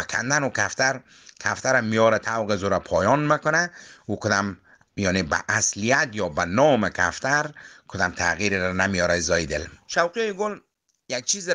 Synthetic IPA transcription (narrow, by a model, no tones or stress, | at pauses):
akʰa̰nd̪anukʰaft̪ʰaɾ | kʰaft̪ʰaɾamijɔɾat̪ʰawɣezuɾapʰɔːjɔnmekʊnaukʰʊd̪am | jɔːneba̰ʔːslijat̪jɒːbanɔːmekʰaft̪ʰaɾkʰʊd̪amt̪ʰaɣiɾɾanamijɔɾazɒːjid̪elʃawqijɔjiɡol | jak̚t͡ʃʰiːzɪ